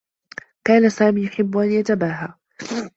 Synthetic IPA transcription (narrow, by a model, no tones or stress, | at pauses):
kaːnasaːmiːjʊħɪbːʊʔanjat̪abaːɦaː